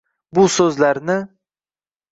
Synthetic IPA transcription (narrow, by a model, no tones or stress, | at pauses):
bʊsɵzlaɾnɪ